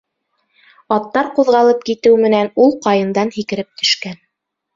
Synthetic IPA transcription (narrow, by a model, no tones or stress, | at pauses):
ɑt̪ːɑɾquðʁɑlˠɤp̚kit̪ɘwmɘ̆nænulˠqɑjɤ̆nd̪ɑnhikɘ̆ɾɘp̚t̪ɵ̆ʃkæn